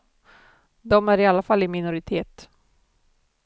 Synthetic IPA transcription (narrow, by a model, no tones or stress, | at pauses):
d̪ɔmæɾɪalːafalːɪmɪnʊɾɪt̪ʰeːt̪